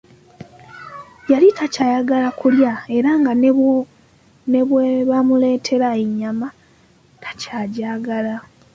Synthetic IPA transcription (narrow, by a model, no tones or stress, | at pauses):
jalitacajaɡalakuljae̞ɾaŋɡa | ne̞βweβamule̞ːtʰe̞ɾaeɲːama | tʰḁcaːɟaːɡala